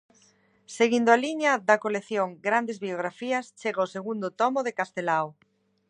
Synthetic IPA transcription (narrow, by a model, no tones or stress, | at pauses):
seɣind̪ʊaliɲɐðɐkoleθjoŋɡɾand̪ezβioɣɾafiɐst͡ʃeɣaoseɣund̪ot̪ɔmoðekast̪elaw